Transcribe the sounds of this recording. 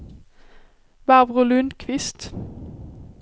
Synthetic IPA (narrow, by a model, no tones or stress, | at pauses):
ʋæʁʋʁʊlʉnd̪kʰʋɪst̪